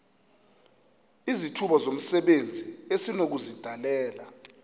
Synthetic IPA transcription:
izitʰuɓazom̩sɛɓend͡zʱiesinok̬uzid̥ʱalɛːla

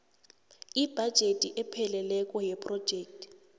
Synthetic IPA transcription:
ib̥ʱad̥ʒ̥ʱetʼiʔɛpʰɛlɛlɛkʼɔjɛpʼrɔd̥ʒ̥ʱeːk̚tʰʼi̥

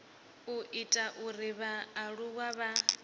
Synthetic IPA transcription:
uʔitʼaʔuriβaːɺuwaβa

